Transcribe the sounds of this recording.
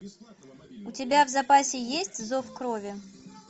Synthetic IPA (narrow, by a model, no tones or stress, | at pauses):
ʊtʲɪbʲavzɐpasʲɪjesʲtʲzo̞fkɾovʲɪ